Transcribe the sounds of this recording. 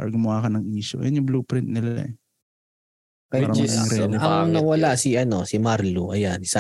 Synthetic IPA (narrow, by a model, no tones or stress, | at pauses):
a̰ɾɐɡʊmʊwaːkɐnɐŋiːʃo̰jɐ̰njʊbluːpɾɪnt̪̚nɪlalɐ̰ | kɐjaɐmɐɾnɐŋŋnɐwɐlaʔsɪʔɐno̞sɪmaɾloʔɐjansa